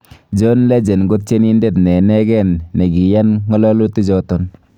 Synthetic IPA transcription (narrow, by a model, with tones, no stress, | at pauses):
d͡ʒo˦nlɛ˦d͡ʒe˨nɡo˦t̚t͡ʃe˦ni˦nde˦˨tnɛ˨nɛ˦ɡɛ˦˨nːe˨ɡi˨ja˦nŋɔ˦lɔ˦lu˦ti˦d͡ʒɔ˦to˦n